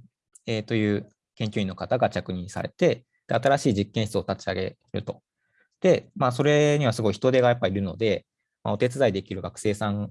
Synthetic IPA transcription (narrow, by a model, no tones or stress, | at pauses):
et̪o̞jɯ̟ː | kẽ̞ŋkʲoĩnːo̞kat̪aɡat͡ɕakɯ̟ɲ̟ĩɰ̃sa̰ɾe̞̰t̪e̞ | d̪̥e̞at̪aɾaɕiːd͡ʑikːẽɕi̥t͡sɨot̪at͡ɕiaɡe̞ | ɾɯ̟t̪o̞̥ | d̪̥e̞mas̬o̞ɾe̞ɲ̟iβ̞asɨɡo̞içi̥t̪o̞d̪e̞ɡajapːaiɾɯ̟no̞d̪e̞ | ma̰o̞t̪e̞t͡sɨzaid̪e̞kʲiɾɯ̟ɡakɯ̥se̞ːsãŋ